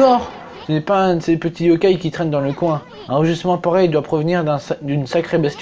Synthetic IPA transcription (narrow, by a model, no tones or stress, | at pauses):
ɔʁ | sənɛpaɛ̃d̪sepət̪ʰiɔkʲajkʲit̪χɛnd̪ɑ̃ləkwɛ̃ | ɛ̃ʁəʒysmɑ̃paʁɛjd̪wapχəvniʁd̪ɛ̃d̪ynsakχebɛst̪